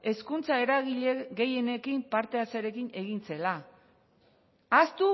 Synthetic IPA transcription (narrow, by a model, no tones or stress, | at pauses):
e̞skunt͡sae̞ɾaɣiʎeɣe̞je̞ne̞kimpaɾt̪e̞asaɾe̞kine̞ɣ̞int͡se̞la | ast̪u